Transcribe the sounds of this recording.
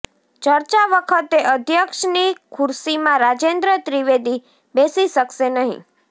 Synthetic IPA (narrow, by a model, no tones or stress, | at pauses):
t͡ʃəɾt͡ʃaʋəkʰət̪eʔəd̪ʱjəkʃnikʰuɾsimãɾad͡ʒend̪ɾət̪ɾiʋed̪i | besiʃəkʃenəɦḭ̃